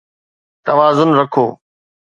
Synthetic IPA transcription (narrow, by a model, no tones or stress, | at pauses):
t̪ɐʋaːzʊnɾəkʰoː